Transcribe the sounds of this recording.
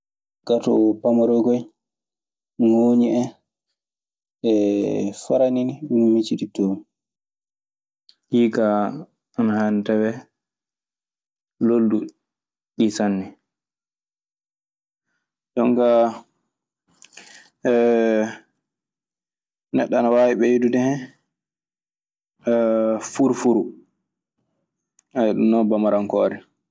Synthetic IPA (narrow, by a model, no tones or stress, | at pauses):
ɡ̥atɔ̰pamɔɾɔɡɔj | ŋoɲiɛ | ɛfaɾaniniɗunmit͡ʃiɗitom | hiːka | anhantɛbɛ | loldu | ɗisanːi | d͡ʒɔŋka | nɛɗːanawaːwiɓɛjedudɛhɛ | fuɾfuɾu | ajɗumnɔbamaɾaŋkɔːɾɛ